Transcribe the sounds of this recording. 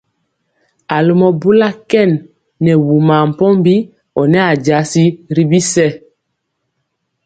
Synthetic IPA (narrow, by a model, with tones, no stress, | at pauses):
a˨lo˦mɔ˨bu˦la˦kɛ˦˨nː | ɛ˨wu˨ma˨m̩˨pɔ˦mbi˦ | ɔ˨nɛ˦a˨d͡ʒa˨˦si˦ɾi˦bi˦sɛ˦˨